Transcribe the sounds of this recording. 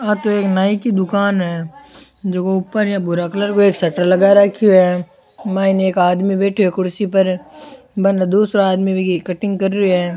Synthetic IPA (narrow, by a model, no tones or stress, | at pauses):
at̪oeːknaːikid̪ʊkaːnɦɛː | d͡ʒoːkoʊpːəɾjabʊɾakləɾkoeːksɐʈəɾlɐɡaɾɐkʰiɦɛː | mɛ̃ːineeːkaːd̪mibɛːʈʰiɦɛkʊɾsipɐɾ | bɐnd̪uːsɾaaːd̪mibʱiikɐʈɪ̃ŋɡkɐɾːiɦɛː